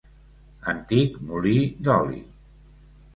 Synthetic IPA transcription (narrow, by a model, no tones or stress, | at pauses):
ənt̪ikmulid̪ɔlḭ